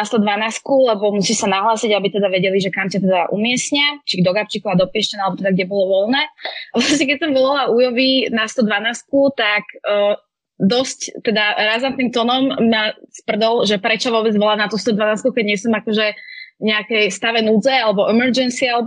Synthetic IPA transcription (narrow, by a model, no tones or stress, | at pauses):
nast̪ɔd̪ʋanaːskulɛbɔmusiʃsanaɦlaːsiɟabit̪ɛd̪aʋɛɟɛliʒɛkamcat̪ɛd̪aʔṵmɪɛsɲat͡ʃiɡd̪ɔɡapt͡ʃikuad̪ɔpɪɛʃcɛnalɛbɔt̪ɛd̪aɡɟɛbɔlɔʋɔlnɛːaʋlasɲɛkɛsɛmʋɔlalaujɔʋinast̪ɔd̪ʋanaːskut̪akː | d̪ɔsct̪ɛd̪aɾazant̪nimt̪ɔnɔmːaspr̩d̪ɔlʒɛpɾɛt͡ʃɔʋɔbɛd͡zʋɔlanat̪ust̪ɔd̪ʋanaːskukɛɟɲɪɛsɔmakɔʒɛɲɛakɛjst̪aʋɛnud͡zɛalɛbɔʔɛmɛɾd͡ʒɛnsialɛ